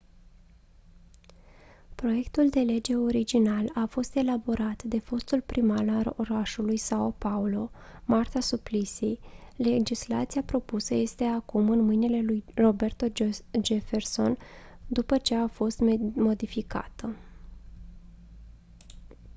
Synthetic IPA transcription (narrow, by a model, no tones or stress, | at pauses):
pɾo̞je̞kt̪uld̪e̞le̞d͡ʒe̞o̞ɾid͡ʒinalafo̞st̪e̞labo̞ɾat̪d̪e̞fo̞st̪ulpɾʔimalalo̞̰ɾaʃulujsaopaulo̞mart̪asuplisiled͡ʒisla̰t̪sijapɾo̞pusəje̞st̪e̞akumɨnmɨjnile̞lujro̞be̞rt̪o̞d͡ʒefe̞rso̞̰n | d̪upət͡ʃe̞afo̞st̪mo̞d̪ifika̰t̪ə